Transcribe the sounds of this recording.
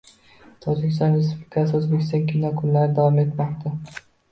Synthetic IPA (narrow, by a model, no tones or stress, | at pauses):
t̪ʰɒd͡ʒɪkʲɪ̥st̪ɒnɾes̬ublɪkʰasɪɵzbekʲʰɪst̪ɒŋkʲʰinɒkʰʊnlaɾɪd̪avɒme̞t̪mɒqt̪ʰa